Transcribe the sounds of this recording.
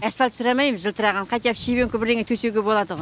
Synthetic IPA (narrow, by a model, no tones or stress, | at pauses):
æsfɑlt̪sʊɾɑmɑjməʒəlˠt̪ʰəɾɑʁɑnqʰɑjt̪ijɑpʃebeŋkʰʲʊbɪɾd̪eŋet̪ʰɵseɡʲebo̞lˠɑd̪əʁ